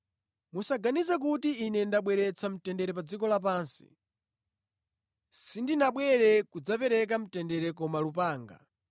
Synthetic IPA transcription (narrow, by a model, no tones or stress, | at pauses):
musaɡanizak̬utiːnɛndaɓwɛɾɛt͡sʰam̩tɛndɛɾɛp̬ad͡zikɔlap̬aːnsḭ | sindinaɓwɛɾɛkud͡zapɛɾɛk̬am̩tɛndɛɾɛkɔmalupaːŋɡa̰